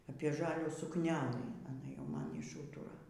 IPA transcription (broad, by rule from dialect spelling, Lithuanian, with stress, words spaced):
ɐpʲiɛ ˈʒɑːlʲuː sʊkˈnʲæːlˠɨ ɐˈnɐ jɛʊ ˈmɐn ɪʃˈuːtʊrɐ